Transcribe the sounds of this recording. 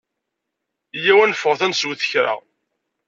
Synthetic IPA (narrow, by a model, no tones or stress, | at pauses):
jæwænfːəʁθænswθəçɾa̰